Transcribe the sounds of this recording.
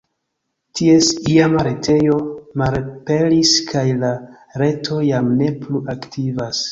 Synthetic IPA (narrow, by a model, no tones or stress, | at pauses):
tʰie̞siamaɾe̞tʰe̞jo̞malpe̞liskʰajla | ɾe̞tʰo̞jamne̞pluʔaktʰivas